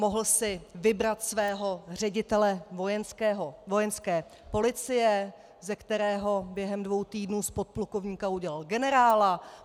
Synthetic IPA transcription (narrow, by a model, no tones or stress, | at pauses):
mo̞ɦl̩sɪvɪbɾat̪svɛːɦo̞r̝ɛɟɪt̪ɛlɛvojɛnskɛɦovojɛnskɛː | po̞lɪt͡sɪjɛ | zɛkt̪ɛɾɛːɦo̞bjɛɦɛmdvo̞wt̪iːdnuːspo̞t̪̚plukovɲiːkauɟɛlalɡɛnɛɾaːla